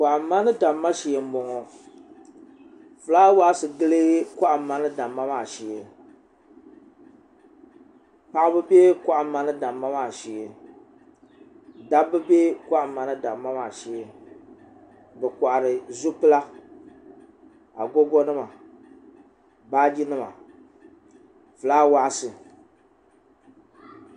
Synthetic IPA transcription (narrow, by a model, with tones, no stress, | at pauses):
kʷa˨ʔa˨˦ma˦nɨ˦da˨mːa˦ʃi˨ɛ˨m̩˦bɔ˨ŋɔ˨ | fɨ˨laː˦waː˦sɨ˨ɡɨ˦lɨ˦ka˦ʔa˨˦mːa˦nɨ˦da˨mːa˦maː˨ʃi˨e˨ | pa˨ʔa˦bɨ˦be˦kʷa˦ʔa˨˦mːa˨nɨ˦da˨mːa˦ma˨ʃi˨e˨ | da˦bɨ˦beː˦ka˦ʔa˨ma˨nɨ˦da˨mːa˦ma˨ʃi˨e˦ | bɛ˨ka˨ʔa˨ɾɨ˨zu˦pɨ˦la˦ | a˨ɡo˦ɡɔ˦nɨ˦ma˨ | baː˦d͡ʒi˦nɨ˦ma̰˨ | fɨ˨laː˦wa˦ʔsɨ˨